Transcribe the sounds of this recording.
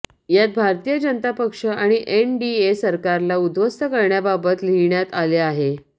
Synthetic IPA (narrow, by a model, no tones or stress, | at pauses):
jat̪̚bʱaɾt̪ijəd͡ʑənət̪apəkʂəaɽ̃iʔenɖiesəɾkaɾlaud̪ʋəst̪əkəɾɳjababət̪liɳjat̪aleaɦe